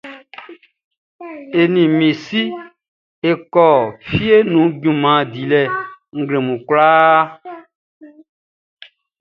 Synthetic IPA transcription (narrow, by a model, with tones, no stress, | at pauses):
e˨nĩ˨mĩ˨si˦ | e˨kɔ˨fi˦e˦nũ˨˦ɟũ˨mã˨di˨lɛ˨ŋ̩˦ɡle˨mũ˨kla˦